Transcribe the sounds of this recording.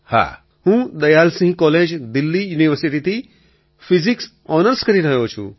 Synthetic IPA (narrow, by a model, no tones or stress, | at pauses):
ha̰ | hũd̪ɐjaːlsĩɦkɔːleːd͡ʒd̪ilːijuːniʋəɾsiʈit̪i | fʰiziks | ɔːnəɾskɐɾiɾɐɦjoːt͡ʃʰṵ